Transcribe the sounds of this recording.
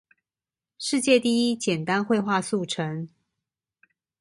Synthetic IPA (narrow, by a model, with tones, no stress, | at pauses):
ʂɻ̩˥˧t͡ɕjɛ˥˧t̪i˥˩i˦˥t͡ɕjɛ˨˩nt̪a˦nxwe˥˧ɪxwa˥˧su˥˩ʈ͡ʂʰə˧˦ŋ